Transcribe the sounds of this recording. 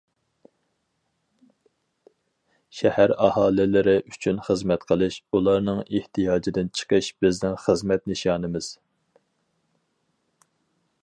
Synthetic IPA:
ʃɛhæɾɑhɑːlɪlɪɾɪʔyt͡ʃʰynχəzmɛt̪qʰəlˠɨʃulˠɑɾnɨŋeht̪ʰijɑːd͡ʒid̪ɪnt͡ʃʰə̥qʰəʃb̥ɪznɪnχəzmɛt̪̚nɨʃɑːnɨmɪz̥

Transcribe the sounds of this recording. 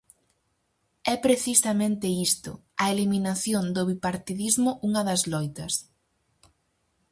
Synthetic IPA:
ɛpɾeθisɐmẽnt̪eist̪ʊ̰ɐeliminaθjond̪ʊβipaɾt̪iðizmʊʔuŋɐðɐzlɔjt̪ɐs

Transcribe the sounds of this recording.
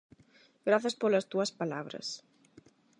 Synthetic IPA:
ɡɾaθɐspolɐst̪uɐspalaβɾɐ̰s

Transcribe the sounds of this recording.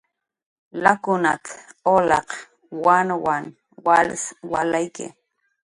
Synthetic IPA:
lakʊna̰t̪olɑ̰q | wanwan | walswalajkɪ̰

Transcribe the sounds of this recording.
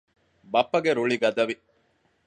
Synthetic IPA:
bɐpːɐɡeɾuɭiɡɐd̪ɐʋi

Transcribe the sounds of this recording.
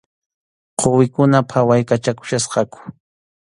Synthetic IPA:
qʰowɪkʊnapʰawajkat͡ʃakʊ̥ʃasqɑkʊ̥

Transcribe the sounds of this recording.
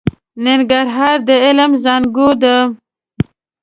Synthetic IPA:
nɪŋɡaɾɦɑːɾd̪əɪləmzɑnɡod̪ə

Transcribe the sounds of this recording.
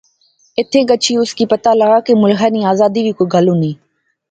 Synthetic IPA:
ɪt̪ʰẽːɠət͡ʃʰiːʊskiːpət̪aːləɡaːkeːmʊlɦʰaːniːaːzaːd̪iːʋiːkoːɡʱəlũːnĩː

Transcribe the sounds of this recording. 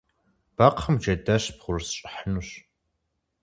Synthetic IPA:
b̥aqʰχəmd͡ʒɐdɐɕpʁʷʊrsɕʼħənuɕ

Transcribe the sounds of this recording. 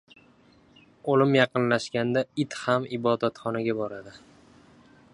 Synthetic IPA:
olɪmjɑqɨnlaʃkʲand̪aɪt̪hamɪbɒd̪at̪χɒnaɡʲabɒɾad̪ɪ

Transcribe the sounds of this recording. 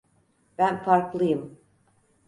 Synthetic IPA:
b̥ænfaɾklˠɯjɯm

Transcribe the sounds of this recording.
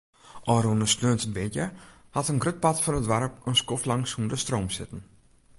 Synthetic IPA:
ʔɔɾunəsløːntənbɪtjə | hɑtənɡrøt̚pɑtfɔnətʋaɾp̚ənskɔflɑŋshundəstroːmsɪtən̩

